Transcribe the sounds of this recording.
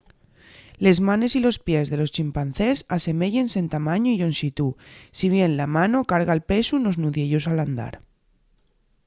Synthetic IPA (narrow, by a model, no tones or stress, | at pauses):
le̞zmãne̞silo̞spje̞zðe̞lo̞st͡ʃimpanθe̞sase̞me̞ʝe̞nse̞nt̪amãɲoiʝo̞nsit̪usiβ̞je̞nlamano̞kaɾɣaelpe̞suno̞znuðje̞ʎosaland̪a̰ɾ